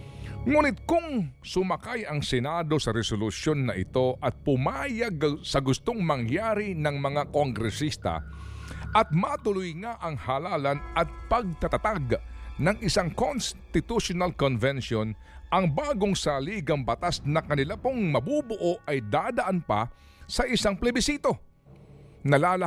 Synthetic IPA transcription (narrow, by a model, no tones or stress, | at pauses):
ŋuːnɪt̪̚kʊŋsʊmɐkajɐŋsɛnad̪o̞sɐɾɛsolʊsjo̞nːɐʔɪ̰t̪o̞ʔɐt̪̚pʊmaːjɐɡ̚sɐɡʊst̪oŋmɐŋjaːɾinɐŋmɐŋakoŋɡɾɛsist̪ɐ̰ | ʔɐt̪̚mat̪ʊlʊjŋaʔɐŋhalaːlɐnɐt̪̚pɐɡ̚t̪ɐt̪ɐt̪aɡnɐŋʔɪsaŋkonst̪ɪt̪uʃonalkonvɛnʃon | ʔɐŋbaːɡoŋsaliːɡɐŋbɐt̪asnɐkɐnɪlapoŋmɐbubʊʔo̞ʔʔɐjd̪aːd̪ɐʔanpɐ̰ | sɐʔɪsaŋplɛbɪsiːt̪o̞ | nɐlaːlɐ